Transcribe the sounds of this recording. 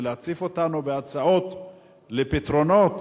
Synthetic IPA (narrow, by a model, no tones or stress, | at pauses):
leat͡sifo̞tanube̞at͡sao̞t̪ | lepit̪ʁo̞no̞t